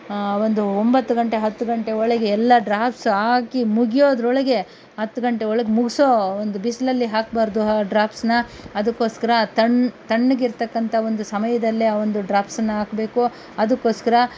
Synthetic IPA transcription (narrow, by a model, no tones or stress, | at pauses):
ʋond̪uombɐt̪ːuɡɐɳʈe̞ɦɐt̪ːuɡɐɳʈeɔɭɐɡeɛlːɐɖɾaːpsɦaːkimuɡijo̞ːd̪ɐɾɔɭɐɡe̞ | ɦɐt̪ːuɡɐɳʈe̞ɔɭɐɡemuɡisoond̪ubislɐlːiɦaːk̚baːɾd̪uɦɖɾaːpsnɐːd̪ɐkːo̞ːskɐɾɐt̪ɐɳt̪ɐɳːuɡiɾt̪ɐkːɐnt̪ʰɐond̪usɐmɐjɐd̪ɐlːiaːʋond̪uɖɾaːpsɐnːɐɦaːkbe̞ːku | ɐd̪ɐkːo̞ːskɐɾɐ